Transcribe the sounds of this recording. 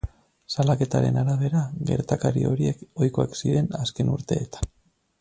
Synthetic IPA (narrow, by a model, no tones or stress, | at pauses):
salake̞t̪aɾe̞̰naɾaβe̞ɾaɣe̞̰ɾt̪akaɾio̞ɾie̞ko̞jko̞aksiɾe̞naske̞nuɾt̪e̞ːt̪ḁn